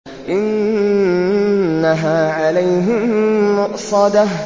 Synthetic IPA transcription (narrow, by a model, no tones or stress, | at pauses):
ʔɪn | aɦaːʕalajɦɪmːʊʔsˤɑd̪a